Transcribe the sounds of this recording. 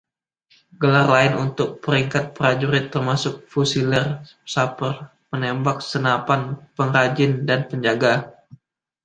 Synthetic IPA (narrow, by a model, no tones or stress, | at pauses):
ɡəlarlaɪnunt̪ʊk̚pəɾiŋkat̪̚pɾad͡ʒuɾɪt̪ːərmasʊk̚fusilər | sapər | mənembak̚sənapanpəŋɾad͡ʒɪndanpəɲd͡ʒaɡa